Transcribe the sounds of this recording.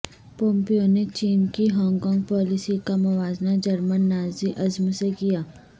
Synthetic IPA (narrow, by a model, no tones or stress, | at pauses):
põːmpijonet͡ʃiːnkiɦɔ̃ːŋkɔːŋɡ̚pɔːlɪsikamɐʋaːznad͡ʒɐɾmənːaːziʔɐzmsekijaː